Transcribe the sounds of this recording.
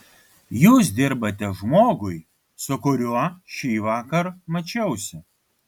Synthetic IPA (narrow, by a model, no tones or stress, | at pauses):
juːs̬d̪ʲɪɾbɐt̪ʲɛʒmoːɡʊɪ | sʊkʊɾʲuɔʃʲiːʋɑːkɐɾmɐt͡ʃʲɛʊsʲɪ